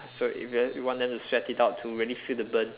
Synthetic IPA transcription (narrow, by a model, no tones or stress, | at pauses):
soḭfjwiwɔ̃ndɛ̃mtustɹɛtitaʊtʰːuɹiəlifildəbən